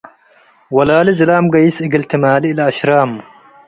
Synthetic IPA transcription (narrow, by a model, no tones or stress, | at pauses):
wɐlaːlizɪlaːmɡɐjisɪɡɪlt̪ʰimaːliɪlaɐʃɾaːm